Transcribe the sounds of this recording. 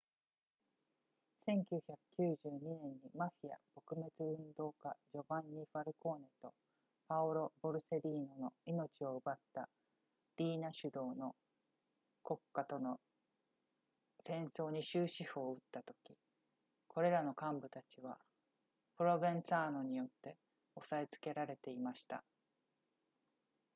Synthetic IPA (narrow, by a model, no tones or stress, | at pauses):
sẽ̞ŋkʲɨːçakɯ̟̥kʲɨːʑɨːɲ̟inẽ̞ɲ̟ːimaɸʲia̰b̥o̞kɯ̟me̞t͡sɨɯ̟̃nd̪o̞ːkad͡ʑo̞bãɲːiɸaɾɯ̟ko̞ːne̞t̪o̞ | paoɾo̞bo̞ɾɯ̟se̞ɾʲiːno̞no̞ino̞t͡ɕio̞ɯbat̪ːa | ɾʲiːnaɕɨd̪o̞ːno̞ | ko̞kːat̪o̞no̞ | sẽ̞ɰ̃so̞ːɲ̟iɕɨːɕiho̞ːɯ̟t̪ːat̪o̞kʲi | kʰo̞ɾe̞ɾano̞kãmbɯ̟t̪at͡ɕiβ̞a̰ | pɯ̟ɾo̞bẽ̞ñsaːno̞ɲ̟ijo̞t̪ːe̞ | o̞saet͡sɨ̥ke̞ɾaɾe̞t̪e̞imaɕi̥t̪a̰